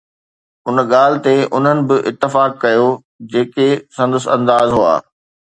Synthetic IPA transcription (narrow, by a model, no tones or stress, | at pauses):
ʊnɠaːlɪ̆t̪eʊn̤ənɪ̆bɪʔɪt̪ːɪfaːkːɐjo | d͡ʑeːkesɐ̃nd̪əsɐ̃nd̪aːzɦua̰ː